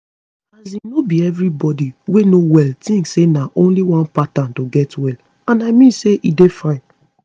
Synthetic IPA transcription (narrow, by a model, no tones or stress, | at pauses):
azinobiɛvɹibɔdiwenowɛltĩŋɡsenaʔõnliwɔ̃npatãntoɡɛtwɛl | ãnaɪmĩnseʔidefãɪ̃n